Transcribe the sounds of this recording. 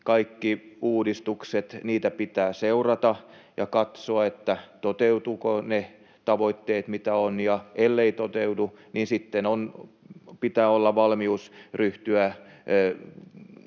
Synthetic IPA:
kɑikːiuːdist̪ukset̪niːt̪æpit̪æːseurɑt̪ɑjɑkɑt̪soɑet̪ːæt̪ot̪eut̪uːkone | t̪ɑʋoit̪ːeːt̪mit̪æonjɑʔelːeit̪ot̪euduninsit̪ːenon | pit̪æːolːɑʋɑlmiusryht̪yæ

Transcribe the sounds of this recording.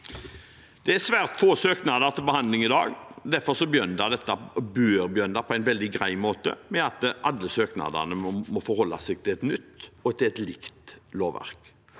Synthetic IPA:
d̪̥ɛæsʋæːʁt̪foːsøːknɑd̪əɾt̪ʰɪlbəhɑnd̪lɪŋɪd̪ɑ̰ːɡd̪æɾfɔɾsɔbjœnd̪ɑd̪ɛt̪ːɑbøːɾbjœnd̪ɑpʰɔæɪnʋɛld̪ɪɡɾæɪmoːt̪ə̰mɛɑt̪ʔɑd̪ːəsøːknɑ̰d̪ə̰nəmɔfɔɾhɔlːɑ̰sæɡ̚t̪ʰɪlɛt̪nʏt̪ːɔt̪ʰɪlɛt̪lɪkt̪loːʋːæ̰ɾk

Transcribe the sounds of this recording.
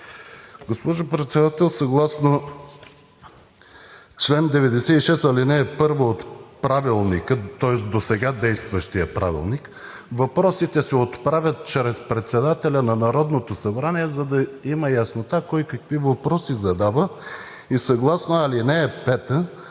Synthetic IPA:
ɡospɔʒopɾɛt̪sɛd̪at̪ɛlˠsɐɡlˠasno | t͡ʃlɛnd̪ɛvɛd̪ɛsɛiʃɛst̪ɐlinɛːpɤɾvoot̪pɾavilˠnikət̪ɔɛsd̪osɛɡad̪ɛjst̪vəʃt̪ijəpɾa̰vḭlˠnik | vɐpɾɔsit̪ɛsɛot̪pɾavʲɐt̪̚t͡ʃɾɛspɾɛt̪sɛd̪at̪ɛlʲɐnɐnɐɾɔd̪not̪osɐbɾaniɛzɐd̪ɐiməjɐsnot̪akɔjkəkvivɐpɾɔsizɐd̪avə | isɐɡlˠasnoɐlinɛːpɛt̪ə

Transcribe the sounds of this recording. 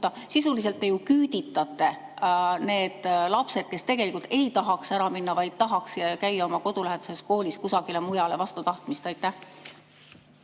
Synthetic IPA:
ɑ | sisulis̬e̞lt̪ːe̞jukyːd̪̥it̪ːˑɑt̪ːˑe̞ | ne̞ːd̪̥lɑpse̞d̪̥̚ke̞st̪e̞ɡ̥e̞likˑult̪e̞jt̪ɑɦɑksæɾɑminːɑvɑjd̪̥̚t̪ɑɦɑkskæjːɑo̞mɑko̞d̪̥ulæɦed̪̥use̞sko̞ːlʲiskusɑɡ̥ile̞mujɑle̞vɑst̪ut̪ɑht̪mist̪ɑjt̪ːˑæh

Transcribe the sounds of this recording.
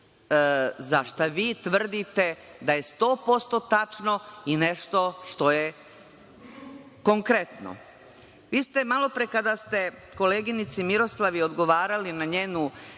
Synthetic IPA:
zaʃt̪aʋiːt̪ʋr̩d̪it̪e̞ | d̪aje̞st̪o̞ːpo̞st̪o̞t̪at͡ʃno̞ine̞ʃt̪o̞ʃt̪o̞je̞ | ko̞ŋkɾe̞t̪no̰ | ʋiːst̪e̞malo̞pɾekad̪ast̪e̞ko̞leːɡinit̪simiɾo̞slˠaʋio̞d̪ɡo̞ʋaːɾalinaɲeːnu

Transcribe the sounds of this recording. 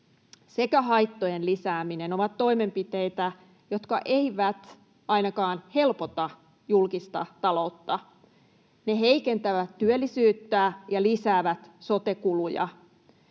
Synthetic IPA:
sekæɦɑjt̪ːojenlisæːmineno̞ʋɑt̪tːo̞ime̞mpit̪eit̪æ | jo̞t̪kɑʔeiʋæt̪ | ɑinɑkɑːnhe̞lpot̪ɑ | julkist̪ɑ̰t̪ɑlo̞ut̪ːɑ | ne̞ɦeikent̪æʋæt̪tyølːisyːt̪ːæjɑlisæːʋæt̪so̞t̪ekulujɑ̰

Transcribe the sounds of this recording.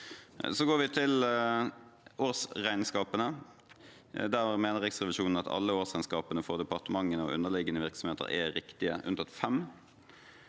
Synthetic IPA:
sɔɡoːɾʋɪt̪ʰɪl | oːʁsʁæɪnskɑːpənə | d̪æʁmeːnəʁɛksʁɛʋɪʃuːnn̩ɑt̪ɑ̰lːəoːʁsæɪnskɑːpənəfɔʁd̪ɛpɑʁt̪əmɑŋːənəɔ̰ʔʉ̰nːəʁlɪɡːənəʋɪʁksɔmheːt̪ə̰ʁɛ̰ɾɪkt̪ɪə̰ʔʉ̰nt̪ɑt̪fɛm

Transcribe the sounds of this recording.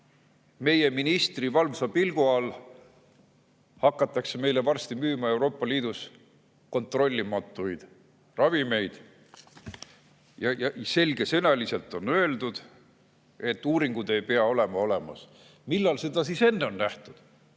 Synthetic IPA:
me̞je̞minist̪rivɑlvsɑpilɡ̥uɑl | hɑkːˑɑt̪ːˑɑkseme̞jle̞vɑrst̪imyːmɑe̞wɾo̞ːpːˑɑliːd̪̥us | ko̞nt̪ˑro̞lʲːimɑt̪ːˑujd̪̥ | rɑvime̞jd̪̥ | jɑjɑse̞lɡ̥e̞se̞nɑlise̞lt̪ːˑo̞nø̞e̞ld̪ud̪̥ | et̪ːˑuːɾiŋɡ̥ud̪̥e̞jpe̞ɑo̞le̞mɑo̞le̞mɑ̰s | milːɑlse̞d̪̥ɑsise̞nːe̞o̞nnæht̪ud̪̥

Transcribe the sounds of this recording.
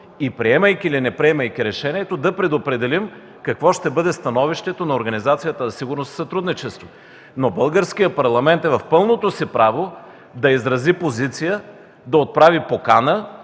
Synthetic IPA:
ipɾiɛməjkʲilinɛpɾiɛmɐjkʲiɾɛʃɛniɛt̪od̪ɐpɾɛd̪opɾɛd̪ɛlim | kɐkvɔʃt̪ɛbɤd̪ɛst̪ɐnɔviʃt̪ɛt̪onɐoɾɡɐnizat̪sijət̪əzɐsiɡʊɾnossɐt̪ɾud̪nit͡ʃɛst̪vo | nobɤlˠɡəɾsk̟ijəpɐɾlˠɐmɛnt̪ɛvɐfpɤlˠnot̪osipɾavo | d̪ɐizɾɐzipozit̪sijə | d̪ɐot̪̚pɾavipokanə

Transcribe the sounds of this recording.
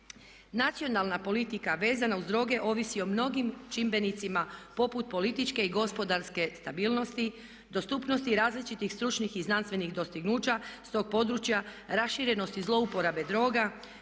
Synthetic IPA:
nat̪sio̞nalnapo̞lit̪ikaʋe̞ːzanauzd̪ɾo̞ːɡe̞ʔo̞ːʋisio̞mno̞ɡimt͡ʃimbe̞nit̪simapo̞put̪̚po̞lit̪it͡ʃke̞iɡo̞spo̞d̪aɾske̞st̪abiːlˠno̞st̪i | d̪o̞st̪uːpno̞st̪iɾaːzlit͡ʃit̪ixst̪ɾut͡ʃnixiznanst̪ʋe̞nixd̪o̞st̪iɡnuːt͡ʃast̪o̞ːɡ̚po̞d̪ɾut͡ʃja | ɾasʃiɾe̞no̞st̪izlˠo̞upo̞ɾabe̞d̪ɾo̞ːɡa

